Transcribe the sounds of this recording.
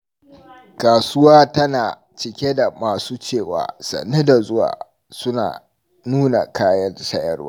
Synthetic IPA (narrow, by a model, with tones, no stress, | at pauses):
kaː˨sʊ˦waː˦tɐ˦naː˨ | t͡ʃɪ˨kʲe˦da˨maː˨suː˦t͡ʃeː˦˨wa̰ː˨sɐ̰˨nːe˦da˨zʊ˦wa̰ː˨ | sʊ˦na̰ː˨ | nuː˦na̰˨kʰaː˦jɐ˦nsɐ˦jɐ̰˦rwa̰ː˦